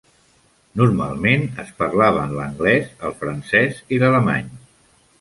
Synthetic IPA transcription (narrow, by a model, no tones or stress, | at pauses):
nurma̰lˠmenəspəɾlaβ̞ə̰nləŋɡlɛzəlˠfɾənsɛzilələma̰ɲ